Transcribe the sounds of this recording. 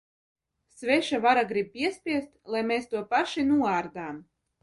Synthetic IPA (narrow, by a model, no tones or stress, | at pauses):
svʲɛʃavaɾaɡɾib̚pʲiɛspʲiɛst̪lˠajmeːst̪uɔpaʃinuɔaːɾd̪aːm